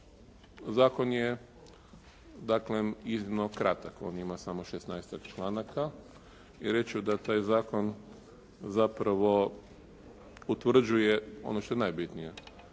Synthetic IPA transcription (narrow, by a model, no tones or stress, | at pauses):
zaːko̞nje | d̪aːkleiznimnokɾat̪ako̞̰ːnimasamoʃesnajst̪akt͡ʃlˠaːnakʰa | iɾe̞t͡ʃud̪at̪aːjzaːko̞n | zapɾaʋo̞ | ut̪ʋr̩d͡ʒujeo̰noʃt̪o̞jnajbit̪nije